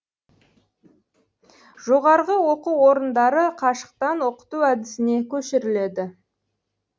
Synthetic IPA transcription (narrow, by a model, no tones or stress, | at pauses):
ʒ̥oʁɑɾʁəwo̞quwo̞ɾənd̪ɑɾəqʰɑʃə̥q̚t̪ɑnwo̞qə̥t̪uæd̪ɪsɪne̞kʲʰɵʃɪɾɪle̞d̪ɪ